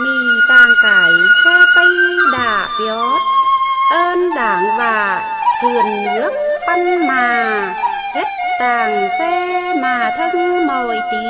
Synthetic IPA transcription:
ɲi˨˩t̪aː˨˩ŋkaː˨˩˦jsɛ˧t̪ə˧jɗaː˧˩jɔ˨˦ | ʔəː˧nɗaː˧˦ŋvaː˨˩ | t̪ʰɨ˨˩ənɗɨ˨˦˥ək̚ɓə˧ŋmaː˨˩ | ke˦˥t̚t̪aː˨˩ŋsɛ˧maː˨˩t̪ʰə˧ŋmo˨˩jt̪i˧˨˦

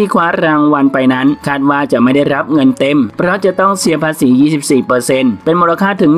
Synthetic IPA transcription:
iː˥˩kʰwaː˦˥ɾaː˧ŋwa˧npa˧jna˦˥nkʰaː˥˩t̪̚waː˥˩t͡ɕa˨˩ʔma˥˩jda˥˩jɾa˦˥p̚ŋɤ˧nt̪e˧˩mpʰɾɔ˦˥t͡ɕa˨˩t̪ɔ˥˩ŋsi˧ɐpʰaː˧siː˩˦jiː˥˩si˨˩p̚siː˨˩pɤː˧se˧npe˧nmoː˧la˧kʰaː˥˩t̪ʰɯ˩˦ŋ

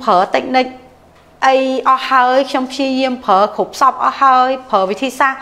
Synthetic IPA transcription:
pʰəː˩˦t̪ɨ˨˧˩k̚nɨ˧k̚ | ʔə˧jʔɑ˧ha˧əjkʰɲo˧mpʰji˧əji˧əmpʰəː˨˩˦kʰu˩p̚sɑ˧p̚ʔɑ˧ha˧əjpʰəː˨˦ʋi˨˩t̪ʰiː˧saː˧ŋ

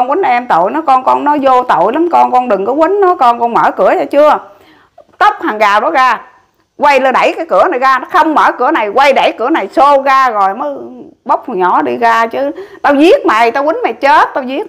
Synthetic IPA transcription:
ɔ˧nwi˨˦n˧ʔɛ˧mt̪o̰˧˨jnɔ˨˦kɔ˧nkɔ˧nnɔ˨˦zo˧t̪o̰˧˨jla˨˦mkɔ˧nkɔ˧nɗɨ˨˩ŋkɔ˨˦wi˨˦n̟nɔ˨˦kɔ˧nkɔ˧nməː˧˩kɨ˧˩˦ət͡ɕa˧˩t͡ɕɨ˧ə | t̪ə˦˥wk͡p̚haː˨˩ŋɣaː˨˩ɗɔ˨˦ɣaː˧ | kwa˧jlə˧ɗa˧˩jkaː˨˦jkɨ˧˩˦əna˨˩jɣaː˧nɔ˨˦xə˧wŋ͡mməː˧˩kɨ˧˩˦əna˨˩jɣwa˧jɗa˧˩jkɨ˧˩˦əna˨˩jso˧ɣaː˧ɣo˨˩jməː˨˦ɓə˦˥wk͡p̚fu˨˩ɲɔ˧˩˦ɗi˧ɣaː˧t͡ɕɨ˨˦t̪a˧wzi˦˥ət̚ma˨˩jt̪aː˧wi˨˦nma˨˩t͡ɕə˦˥t̚t̪aː˧wzi˦˥ək̚

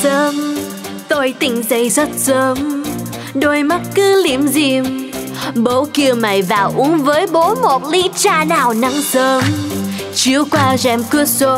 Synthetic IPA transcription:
səː˨˦m | t̪o˧jt̪ï˨˩ŋ̟zə˧˩jzə˦˥t̚səː˨˦m | ɗo˧˩jma˦˥t̚kɨ˧li˧˩əmzi˧˩m | ɓo˨˦ki˧˨əma˨˩jvaː˨˩wʔu˨˦əŋvəː˨˦jɓo˨˦mo˨˩t̚li˨˧˦t͡ɕaː˧naː˨˩wna˨˦ŋsəː˨˦m | t͡ɕi˧˦əwkwaː˧zɛ˧˩mki˧˦˥ət̚so˧˦

